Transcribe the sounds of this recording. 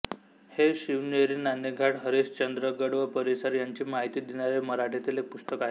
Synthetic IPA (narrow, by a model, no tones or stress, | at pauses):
heɕiʋneɾinanːeɡʱaʈɦəɾist͡ɕənd̪ɾəɡəɽʋəpəɾisəɾjaɲt͡ɕiːmaɦit̪iːd̪inaɾeməɾaʈʰet̪ilek̚pust̪əkaɦe